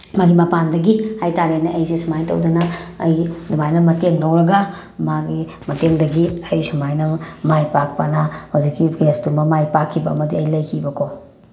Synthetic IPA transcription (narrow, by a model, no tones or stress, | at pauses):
maɡimɐpandɐɡihajtaɾenɐʔɐjsesumajtɐ̰wdɐnɐːjdumajnɐmɐteŋnowɾɐɡa | maɡi | mɐteŋdɐɡiɐjsumajnɐmajpak̚pɐnɐhawzikːiesdumɐmajpakʰːibɐːmɐdiɐjlɐjkʰibɐkʰo